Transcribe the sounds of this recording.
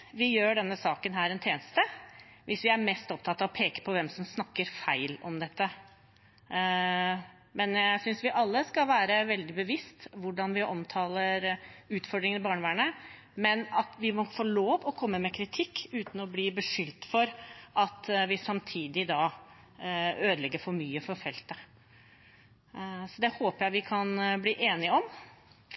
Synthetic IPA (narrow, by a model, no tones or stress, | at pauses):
ʋɪjøːɖɛnːəsɑːkənɦæːɾɛnt̪ʰjeːnəst̪əʋʔɪsʋɪæɾmɛst̪ɔpt̪ʰɑt̪ːɑːʋɔpʰeːkə̥pʰɔʋɛmsɔmsnɑkːəɾfæɪlɔ̰md̪ɛt̪ːə | mɛnjææsʏnsʋɪʔɑlːəskɑʋæːɾəʋɛld̪ɪbəʋɪst̪ʋʊɖɑnʋɪʔɔmt̪ʰɑːləɾʉːt̪fɔɖ̪ɾɪŋənɪbɑːɳʋæːɳə | mɛnɑt̪ʋɪmɔfoːɭoːʋɔkʰɔmːəmɛkʰɾɪt̪ʰɪkːʉːt̪n̩ɔbliːbəʂʏlt̪fɔɾʔɑt̪ʋɪsɑmt̪ʰiːd̪ɪd̪ɑ | øːd̪əlɛɡːəɾfɔɾmyːəfɔɾfɛlt̪ə | sɔd̪ɛhoːpəɾjæɪʋɪkʰɑnbliːʔeːnɪɔm